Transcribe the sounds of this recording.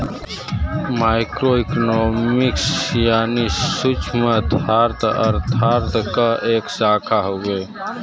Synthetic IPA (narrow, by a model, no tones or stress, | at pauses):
maːɪkɾoɪknoːmɪksjaːnisʊt͡ʃʰmə̃t̪ʰaːɾt̪ə̰ɾt̪ʰaːɾt̪kaʔeːksaːkʰaɦoːɡe